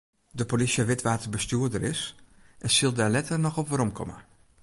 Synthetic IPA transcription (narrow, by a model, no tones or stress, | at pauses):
dəpolisjəʋɪtʋaːtərbəstyːədəɾɪsʔɛnsilˠdalɛtərnɔxɔpʋəɾɔmkʰɔ̰mə̰